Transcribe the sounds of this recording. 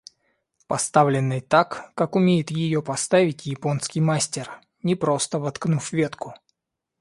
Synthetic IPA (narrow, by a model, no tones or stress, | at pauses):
pɐst̪avlʲɪnːɨjt̪akːakʊmʲejɪt̪jɪjo̞pɐst̪avʲɪtʲjɪpo̞nskʲɪjmasʲtʲɪr | nʲɪpɾo̞st̪əvɐt̪knufvʲet̪kʊ